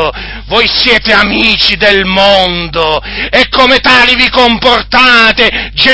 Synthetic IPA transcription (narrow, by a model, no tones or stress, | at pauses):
vojsjɛːt̪eamiːt͡ʃid̪ɛlmond̪oɛkːomet̪aːlivikomport̪aːt̪ed͡ʒe